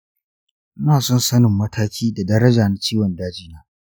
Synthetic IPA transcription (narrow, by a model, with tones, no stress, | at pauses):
naː˨sɔ˦nsɐ˦nɪ˨mːɐ˦tʰaː˦kʲʰiː˦da˨dɐ˦ɾɐ˦d͡ʒaː˨na˦t͡ʃiː˦wɐ˨ndaː˦d͡ʒiː˦naː˦